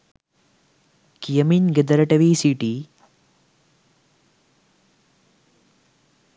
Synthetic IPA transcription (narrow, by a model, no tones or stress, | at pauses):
kijɐminɡed̪ɐɾɐʈɐʋiːsiːʈi